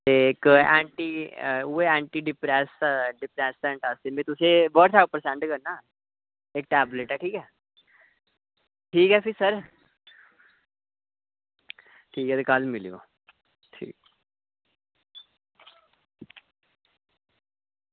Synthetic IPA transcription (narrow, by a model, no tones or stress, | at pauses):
t̪eːɪkɛːɳʈiːueɛːɳʈiːɖɪpɾɛːsɖɪpɾɛːsɛ̃ːɳʈast̪eːmẽːt̪ʊsẽːbəːʈt̪ʰaːpəɾsɛ̃ɳʈkəɾnaː | ek̚ʈɛːbleːʈɛːʈʰiːkɛː | ʈʰiːkɦɛːpʰɪsəɾ | ʈʰiːkɛːt̪ekəlmɪlḭo̰ː | ʈʰḭːk